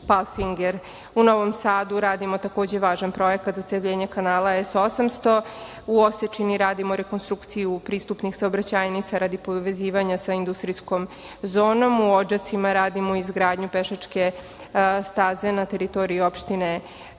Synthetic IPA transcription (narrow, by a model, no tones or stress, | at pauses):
palˠfiŋɡeɾ | uno̞ʋo̞msaːd̪uɾaːd̪imo̞t̪ako̞ːd͡ʑe̞ʋaːʒanpɾo̞je̞kat̪zat̪seʋʎeɲekanaːlˠaesosamst̪o̞ | uoset͡ʃiniɾaːd̪imoɾe̞konst̪ɾukt̪sijupɾiːst̪upnixsaobɾat͡ɕaːjnit̪saɾad̪ipoʋe̞ziːʋaɲasaind̪ust̪ɾisko̞m | zo̞ːno̞muod͡ʒat̪simaɾaːd̪imoizɡɾaːd̪ɲupeʃat͡ʂke̞ | st̪aːze̞nat̪e̞ɾit̪o̞ːɾiiopʃt̪ine̞